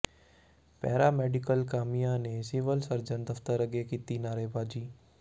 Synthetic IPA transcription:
pɛ̰ːɾaːmɛːɖɪkəlkaːmijãnesiʋəlsəɾd͡ʒənd̪ɐft̪əɾɐɡekit̪inaːɾeːbaːd͡ʒiː

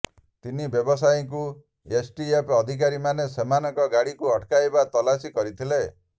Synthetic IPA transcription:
t̪inibjɔbɔs̬ajiŋk̬u | esʈiepɔd̪ʱik̬aɾimanesemanɔkɔɡaɽikuɔʈkajbat̪ɔlasikɔɾit̪ʰile

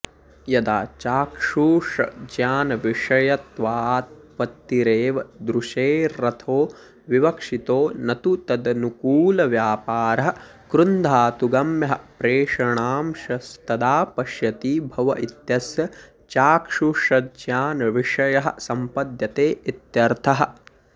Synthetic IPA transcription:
jɐd̪a̰ːt͡ʃaːkʂuʂɐ̰d͡ʒjaːnɐʋiʂɐjɐt̪ʋaːt̪̚ | pɐt̪ːiɾeːʋɐd̪ɾuʂeːɾɐt̪ʰoː | ʋiʋɐkʂit̪oːnɐt̪ut̪ɐd̪ɐnukuːlɐʋjaːpaːɾɐɦɐ̆ | kɾund̪ʱaːt̪uɡɐmjɐɦɐ̆pɾeːʂɐɳaːmʃɐst̪ɐd̪aːpɐʃjɐt̪iːbʱɐʋɐʔit̪jɐsjɐ | t͡ʃaːkʂuʂɐd͡ʒjaːnɐʋiʂɐjɐɦɐ̰̆sɐmpɐd̪jɐt̪eːit̪jɐɾt̪ʰɐɦɐ̆

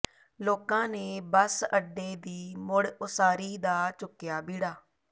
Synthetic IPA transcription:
loːkãːneːbəsəɖːeːd̪iːmʊɽʊsaːɾiːd̪aːt͡ʃʊkːɪjaːbiːɽaː

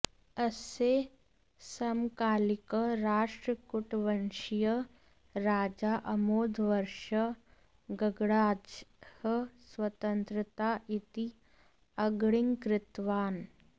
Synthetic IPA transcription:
ɐseː | sɐmkaːlikəɾaːʃʈɾəkuʈʋɐnʃijə | ɾaːd͡ʒaːʔɐmoːd̪ʱʋɐɾʃɐ | ɡɐɡɽaːd͡ʒhəswɐt̪ənt̪ɾət̪aːʔit̪i | ɐɡɽɪŋkɾɪt̪ʋaːn

